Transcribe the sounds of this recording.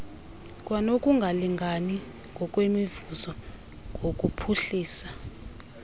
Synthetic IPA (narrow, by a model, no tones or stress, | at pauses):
kʼwanokʼuŋɡʱaliŋɡʱani | ŋɡʱɔk̬ʼwemivuzɔ | ŋɡʱokʼupʰuɬiːsḁ